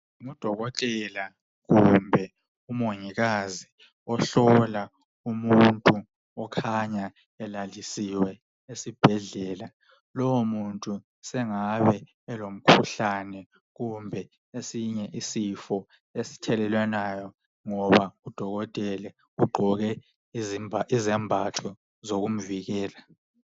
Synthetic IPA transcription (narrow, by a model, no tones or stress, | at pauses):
ŋud̥ʱɔɣɔtʼɛla | ɣumbʱɛ | umoŋiɣazi | ɔɬɔla | umuntʼu | ɔkʰaɲa | ɛlalisiwɛ | esib̥ʱɛɮɛːla | lɔwomuntʼu | sɛŋaβɛ | ɛlom̩kʰuɬanɛ | ɣumbʱɛ | esiɲɛʔisifɔ | esi̥tʰɛlɛlwɛnajɔ | ŋɔβaud̥ʱɔɣɔtʼɛlɛ | uɡ͡ǃʱɔɣɛ | zizɛmbʱatʰɔ | zoɣum̩viɣɛːla